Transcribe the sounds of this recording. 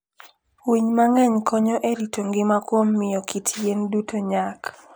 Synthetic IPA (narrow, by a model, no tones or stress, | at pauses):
wiɲmaŋɛɲkʰɔɲoʔeɾitʰoŋɡɪmakwomːɪjokʰitʰjendutʰoɲak